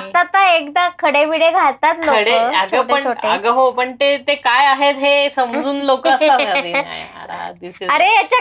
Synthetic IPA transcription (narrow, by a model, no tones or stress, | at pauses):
at̪at̪aekd̪akʰəɽeʋiɽeɡʱat̪at̪lloəɽeəaɡʰəʈəɳə̰ɡəɦopəɳt̪et̪ekajaɦet̪ɦesəmd͡zuːnlokəəsaad̪ia̰d̪isəɾejat͡ɕa